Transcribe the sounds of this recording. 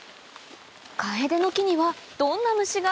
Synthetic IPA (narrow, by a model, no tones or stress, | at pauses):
kaed̪e̞no̞kʲiɲ̟iβad̪̥õ̞nːamɯ̟ɕiɡa